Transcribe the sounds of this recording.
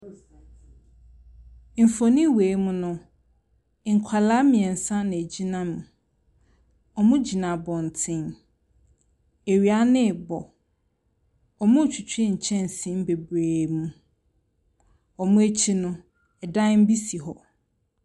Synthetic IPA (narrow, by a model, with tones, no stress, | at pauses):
m̩˨fo˨nĩ˦weː˨˦mũ˦nʊ̃˦ | ŋ̩˨kʷʰa˨la˦mĩ˨ɛ˨n̩˨sã˦nɪ̃˨e˨d͡ʑi˦nã˦nʊ̃˨ | ɔ˨mʊ̃˦d͡ʑi˨nã˨bɔ̃˨n̩˨tʰɪ̃˦n | e˨ɥi˨a˦nɪ̃˦˨bɔ˨ | ɔ˨mʊ̃˦˨t͡ɕʰᶣi˨t͡ɕʰᶣi˦ɲ̩˨t͡ɕʰɛ̃˦n̩˨sĩ˦m˦be˨bɾe˨mũ˨ | ɔ˨mʊ̃˦e˦t͡ɕʰi˦nʊ̃˦ | ɛ˨dã˦n˦m̩˦bi˦si˨ɦɔ˨